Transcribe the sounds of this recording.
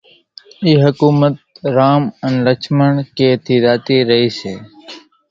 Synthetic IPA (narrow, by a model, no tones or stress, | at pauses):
iːɦəkuːmət̪̚ɾaːmənləkt͡ʃʰməɳkeːt̪ʰiːɾaːt̪iːɾəɦiːseː